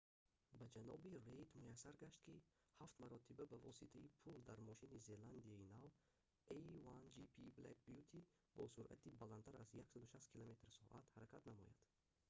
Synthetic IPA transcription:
bad͡ʒanɔ̰birejt̪mujasːaɾɡaʃt̪kʰi | haft̪maɾɔt̪ʰibabavɔsit̪ʰaipʰuld̪aɾmɔʃinize̞land̪iainav | ejvand͡ʒipʰibla̰kbjut̪ʰi | bɔ̰suɾʔa̰t̪ʰibalant̪ʰaɾazjaksad̪uʃast̪kʰilome̞t̪ɾsɔ̰ʔat̪haɾakʰat̪namɔ̰ja̰d̪̥

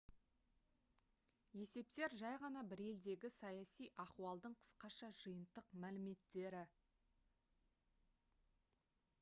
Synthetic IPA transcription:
je̞se̞p̚t̪e̞ɾʒɑjʁɑnɑbɪɾe̞ld̪e̞ɡʲɪsɑjɑsijʔɑquɑlˠd̪əɴqʰə̥sqɑʃɑʒ̥əjənt̪əqmælɪme̞t̪ːe̞ɾɪ

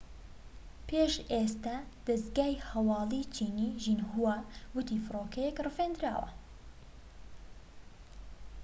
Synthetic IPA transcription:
pʰeʃʔest̪aːd̪̥ɐzɡaːjhɐwɑːlˠit͡ʃʰiːniːʒinhuawʊt̪ʰifɨroːkɐjɛkrɨfend̪ɾa̰ːwɐ̰

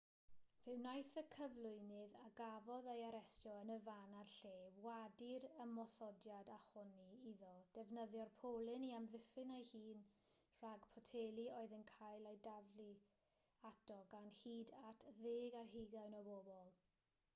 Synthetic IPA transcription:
v̥ɪwnajθəkʰəvlˠʊɨnɨðaɡavɔðejaɾɛstjɔənəvanarɬeːwadɪɾəmɔsɔdjadahʊniiðɔd̥ɛvnəðjɔrpʰoːlˠɨniamðɪfɨnajhiːn | r̥aɡpʰɔtʰeːlˠioɨðənkʰajlˠejdavli | adɔɡanhiːdatʰðeːɡarɦiɡaɨnɔboːbɔlˠ

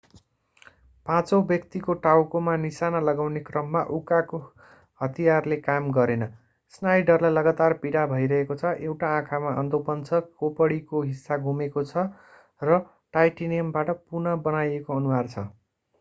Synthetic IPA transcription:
pãt͡sʌbjʌkt̪ikoʈawkomanisanʌlʌɡawnekrʌmːaʔukako | hʌt̪ijarlekamɡʌɾenʌ | snajɖʌrlajlʌɡat̪arpiɽabʱʌjɾʌɦekot͡sʰʌʔewʈaãkʰamaʌnd̪opʌnt͡sʰʌkopʌɽikoɦisːaɡʱumekot͡sʰʌ | rʌ | ʈajʈinijʌmbaʈʌpunʌbʌnajekoʌnusart͡sʰʌ

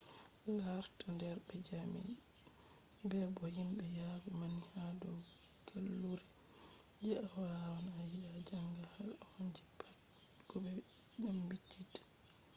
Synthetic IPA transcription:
laɾtandɛɾbɛd͡ʒamḭn | bɛbɔhimɓɛjabɔmanihadɔ | ɡ̥alːuɾi | d͡ʒɛawawanaːjiɗad͡ʒaŋɡahalhoɲd͡ʒipʰat | ɡ̥ɔɓɛ | ɗambitʰitḁ

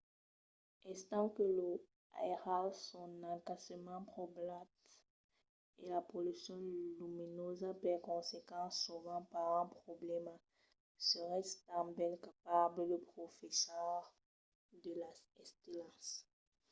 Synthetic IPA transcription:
ɛst̪ɑ̃kələ | a̰ɛʁalsɔ̃nɑ̃kasəmɑ̃pχoblat̪ | elapolysjɔ̃lyminozapɛʁkɔ̃sekɑ̃suvɑ̃paʁɛ̃pχɔblɛma | səʁɛst̪ãbɛlkapaʁdələpχofesœʁ | d̪əlaɛst̪elãs

